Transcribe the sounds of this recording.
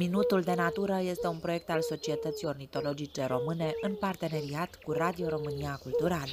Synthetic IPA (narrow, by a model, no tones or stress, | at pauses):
minut̪uld̪e̞nat̪uɾəje̞st̪e̞unpɾo̞je̞k̚t̪also̞t͡ʃie̞t̪ət̪sio̞rnit̪o̞lo̞d͡ʒit͡ʃe̞ɾo̞mɨne̞ʔɨnpart̪e̞ne̞ɾiat̪kurad̪io̞ɾo̞mɨniakult̪uɾalə